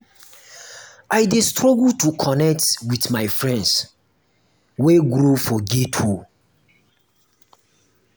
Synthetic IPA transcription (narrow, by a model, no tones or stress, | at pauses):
ajdestɹɔɡltukʰɔnɛk̚twitmaɪfɹɛ̃nds | weɡɾufɔɡetʰu